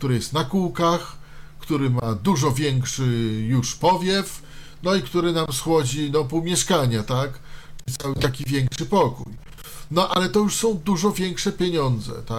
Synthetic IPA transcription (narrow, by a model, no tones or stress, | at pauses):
kt̪uɾɘjɛst̪nakuwkax | kt̪uɾɘmad̪uʐɔvʲjɛŋkʂɘjuʂpɔvʲjɛf | nɔikt̪uɾɘnamsxwɔd͡ʑinɔpumʲjɛʂkaɲat̪akʈ͡ʂɘit̪sawɘt̪akʲivʲjɛŋkʂɘpɔkṵj | nɔʔalɛt̪ɔjuʂsɔ̃w̃d̪uʐɔvʲjɛŋkʂɛpʲjeɲɔnd̪zɛ̰t̪a